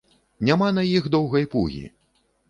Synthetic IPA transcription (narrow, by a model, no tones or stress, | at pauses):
nʲamanɐjixd̪ɔwɣɐjpṵɣʲḭ